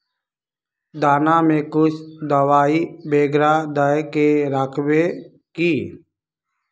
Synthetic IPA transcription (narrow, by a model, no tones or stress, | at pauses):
d̪aːnaːmẽːkʊt͡ʃʰd̪əʋaːiːbeːɡɾaːd̪əjkeɾaːkʰwe | kiː